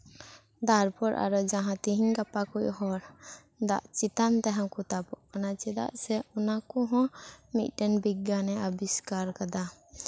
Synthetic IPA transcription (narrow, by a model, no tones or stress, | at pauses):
d̪aɾpɔɾʔa̰ɾɔd͡ʒaɦãt̪iɦiɲkapakucɦɔɾ | d̪a̰ʔt͡ʃit̪ant̪aɦãkut̪apɔʔkanat͡ʃɛd̪a̰ʔsɛɔnakɔɦɔ̃mit̪̚ˀʈɛnbiɡanɛabiskaɾkad̪a